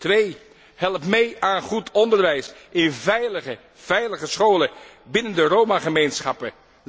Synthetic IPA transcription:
tʋej | hɛlˠpmejaːnχutʰɔndəɹʋɛjsʔɪnvɛjləə | v̥ɛjləχəsχowləbɪnəndərowmaχəmejnsχɑpə

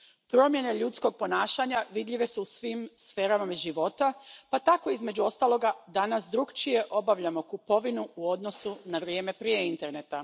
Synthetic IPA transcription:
pɾo̞mje̞ne̞ʎut̪sko̞ɡ̚po̞naːʃaɲaʋid̪ʎʲiʋe̞suusʋimsfe̞ːɾamamiʒiʋo̞t̪apat̪ako̞izme̞d͡ʑuo̞st̪alˠo̞ɡad̪anasd̪ɾuɡt͡ʃije̞ʔo̞baʋʎamo̞kupo̞ʋinuuo̞d̪no̞sunaʋɾje̞ːme̞pɾije̞int̪e̞ɾne̞t̪a

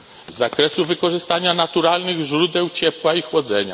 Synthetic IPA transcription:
zːakɾɛsuvɘkɔʐɘst̪aɲanat̪uɾalnɘɣʐɾud̪ɛwt͡ɕɛpwaixwɔd̪zɛɲa̰

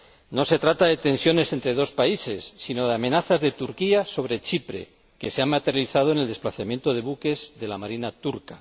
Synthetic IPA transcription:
no̞se̞t̪ɾat̪aðe̞t̪e̞nsjo̞ne̞se̞nt̪ɾe̞ðo̞spaise̞sːino̞ðeamẽ̞naθazðe̞t̪uɾkiaso̞βɾe̞t͡ʃipɾe̞̰ | ke̞se̞ammat̪e̞ɾjaliθað̞o̞eneld̪e̞splaθamje̞nt̪o̞ðe̞βuke̞zðe̞lamaɾinat̪uɾka

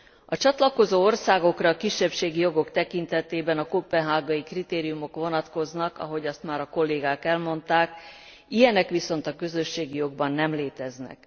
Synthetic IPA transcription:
ɒt͡ʃɒt̪lɒko̞zoːo̞rsaːɡo̞krɒːkiʃːɛpʃeːɡijo̞ɡo̞kt̪ɛkint̪ɛt̪eːbɛnɒkoːpɛɦaːɡɒikrit̪eːɾijumo̞kʋo̞nɒt̪ko̞znɒkɒ̰ɦo̞ɟɒst̪maːɾɒko̞lːeːɡaːkɛlmo̞nt̪aːk | ijɛnɛkʋiso̞nt̪ɒkø̞zøʃːeːɡijo̞ɡbɒnːɛmleːt̪ɛznɛ̰k

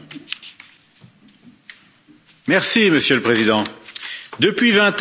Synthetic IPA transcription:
mɛʁsiməsjələpχezid̪ɑ̃ | d̪əpɥivɛ̃t̪

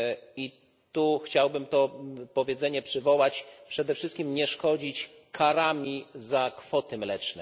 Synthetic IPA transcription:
i | t̪uxt͡ɕawbɘmt̪ɔpɔvʲjɛd̪zɛɲɛpʂɘvɔwat͡ɕpʂɛd̪ɛfʂɘst̪kʲimɲɛʂkɔd͡ʑit͡ɕ | kʰaɾamʲizakfɔt̪ɘmlɛt͡ʂnɛ̰

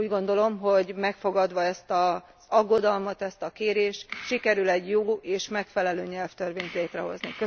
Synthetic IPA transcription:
uːɟɡo̞nd̪o̞lo̞mɦo̞ɟmɛkfo̞ɡɒd̪ʋɒɛst̪ɒ | z̥ɒɡːo̞d̪ɒlmɒt̪ɛst̪ɒkeːɾeːʃt̪ʃikɛɾylɛɟjoːeːʃmɛkfɛlɛløːɲɛlft̪ørʋeːɲt̪leːt̪rɛɦo̞̰znikø

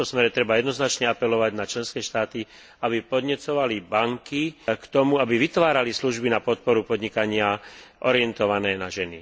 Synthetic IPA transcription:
t̪ɔsmɛɾɛt̪ɾɛbajɛd̪nɔznat͡ʃɲɛapɛlɔʋaɟnat͡ʃlɛnskɛːʃt̪aːt̪i | abipɔd̪ɲɛt͡sɔʋalibaŋkikt̪ɔmuabiʋit̪ʋaːɾalisluʒbinapɔt̪̚pɔɾupɔd̪ɲikaɲɪaʔɔɾɪɛnt̪ɔʋanɛːnaʒɛnḭ

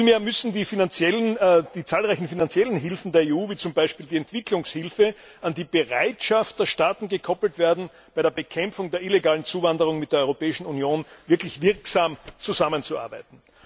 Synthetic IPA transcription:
filmeːɐmʏsn̩diːfinant͡sjɛlənd̥iːt͡saːlʁaɪçn̩finant͡sjɛlənɦɪlfn̩deːɐeːuːviːt͡sʊmbaɪʃpiːldiːɛntv̥ɪklʊŋshɪlfə | ʔandiːb̥eʁa̰ɪtʃaft̚d̥eːɐʃtaːtn̩ɡəkʰɔpl̩tv̥eːɐdn̩ | b̥aɪɾeːɐbəkʰɛmfʊŋdeːɐʔileɡaːlən̩t͡suːvandəʁ̞ʊŋmɪt̚d̥eːɐɔʁopɛːɪʃn̩unjoːnvɪɐklɪçv̥ɪɐksaːmt͡suzamənt͡suʔa̰ɐbæ̰ɪtn̩

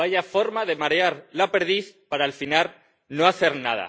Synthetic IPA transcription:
aʝafo̞ɾmaðe̞maɾeaɾlape̞ɾðiθpaɾaːlfinaɾ | noaθeɾnaða̰

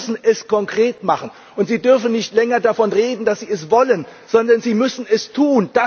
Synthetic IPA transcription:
sn̩ɛskɔŋkʁ̥eːtmaχn̩ | ʔʊntz̥iːdʏɐfn̩nɪçtlɛŋɐdafɔnʁeːdn̩d̥asz̥iːɛsv̥ɔlənz̥ɔndɐnziːmʏsn̩ɛstʰuːnd̥a

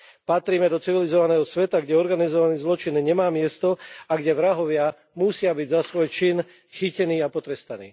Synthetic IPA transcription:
pat̪ɾiːmɛd̪ɔt͡siʋilizɔʋanɛːɦɔsʋɛt̪aɡɟɛɔɾɡanizɔʋaniːzlɔt͡ʃinɲɛmaːmɪɛst̪ɔaɡɟɛʋɾaɦɔʋɪa | musɪabiɟzasʋɔjt͡ʃin | xicɛniːapɔt̪ɾɛst̪anḭː

